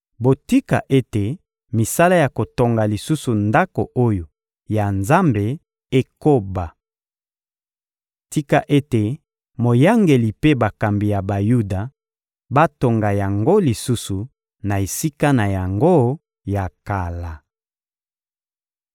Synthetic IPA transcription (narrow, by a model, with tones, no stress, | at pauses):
bo˨ti˦ka̰˨ʔe˦te˨ | mi˨sa˦la˦ja˨ko˨to˨ŋɡa˨li˨su˦su˨nda˦ko˨ʔo˦jo˨ | ja˨nza˦mbe˨ | e˦ko˦ba˨ | ti˦ka˨ʔe˦te˨ | mo˨ja˦ŋɡe˨li˨pe˦ba˨ka˨mbi˨ja˨ba˨ju˦da˨ | ba˦to˨ŋɡa˨ja˨ŋɡo˦li˨su˦su˨ | na˨e˨si˦ka˦na˨ja˨ŋɡo˦ | ja˨ka˨la˨